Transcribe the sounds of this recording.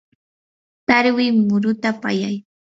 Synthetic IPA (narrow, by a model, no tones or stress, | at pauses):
t̪aɾwɪmʊɾʊt̪apa̰jaj